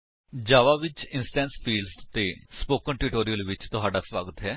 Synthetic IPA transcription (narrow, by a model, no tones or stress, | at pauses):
d͡ʒaːʋaːʋɪt͡ʃɪnsʈɛ̃ːnspʰiːlst̪eːspoːkənʈuʈoːɾijəlʋɪt͡ʃt̪ʊɦaːɖaːswaːɡət̪ɦɛː